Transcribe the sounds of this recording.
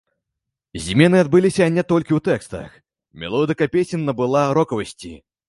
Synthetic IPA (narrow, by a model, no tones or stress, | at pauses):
zʲmʲɛnɨad̪̚bɨlʲisʲɐnʲɛt̪ɔlʲkʲiwt̪ɛkst̪ɐ̰x | mʲɛ̰lˠɔd̪ɨkɐpʲesʲinːɐbɨlˠaɾɔkɐvɐsʲt͡sʲḭ